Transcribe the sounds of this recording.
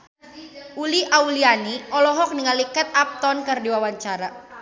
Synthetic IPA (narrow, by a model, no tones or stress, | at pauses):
ʔuliʔaulianiɔlɔɦɔk̚niŋalikɛt̪̚ap̚t̪ɔnkɨrdiwawaɲt͡ʃaɾa